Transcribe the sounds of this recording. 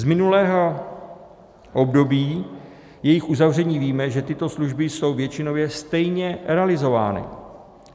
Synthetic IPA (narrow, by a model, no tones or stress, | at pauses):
zmɪnulɛːɦo̞ | ʔo̞bdo̞biː | jɛjɪxʔuzavr̝ɛɲiːviːmɛʒɛt̪ɪt̪o̞sluʒbɪso̞wvjɛt͡ʃɪno̞vjɛst̪ɛjɲɛɾɛalɪzo̞vaːnɪ̰